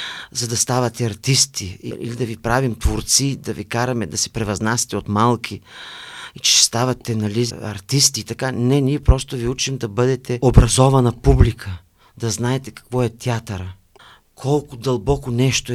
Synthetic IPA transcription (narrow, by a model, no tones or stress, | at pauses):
zɐd̪ɐst̪avɐt̪ɛɐɾt̪ist̪iḭḭlid̪ɐvipɾavimt̪voɾt̪sid̪ɐvikaɾɐmɛd̪ɐsɛ̥pɾɛvɐznasʲɐ̥t̪ɛot̪malˠkʰʲi | it͡ʃɛ̥st̪avɐt̪ɛnɐliɐ̰ɾt̪ist̪iːt̪ɐkanɛniɛpɾɔst̪oviut͡ʃimd̪ɐbɤd̪ɛt̪ɛobɾɐzɔvɐnɐpublikʰə | d̪ɐznaɛt̪ɛkɐ̥kvɔɛt̪ʲiat̪ɐɾə | kʰɔlˠkʊd̪ɐlˠbɔkʊnɛʃt̪o